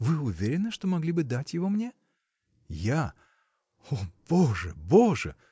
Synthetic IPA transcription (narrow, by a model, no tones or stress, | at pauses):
vɨʊvʲeɾʲɪnːɨʂt̪omɐɡlʲibɨd̪atʲjɪvo̞mnʲe | ja | ob̥oʐəboʐə̰